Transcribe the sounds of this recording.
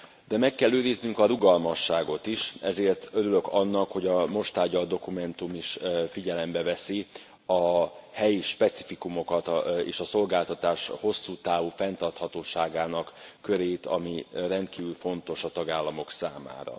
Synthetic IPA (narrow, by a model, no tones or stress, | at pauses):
d̪̥ɛmɛkːɛlːøːɾiznyŋkɒɾuɡɒlmɒʃːaːɡo̞t̪iʃɛzeːrt̪øɾylø̞kɒnːɒkho̞ɟɒmo̞ʃt̪aːɟːɒld̪o̞kumɛnt̪umiʃfiɟɛlɛmbɛvɛsi | ɒhɛjiʃpɛt̪si̥fikumo̞kɒt̪ḛːʃɒso̞lɡaːlt̪ɒt̪aːʃho̞sːuːt̪aːvufɛnt̪ɒrt̪hɒt̪oːʃaːɡaːnɒkːøɾeːt̪ɒ̰mirɛnt̪̚kiːvylfo̞nt̪o̞ʃɒt̪ɒɡaːlːɒmo̞ksaːma̰ːɾɒ̰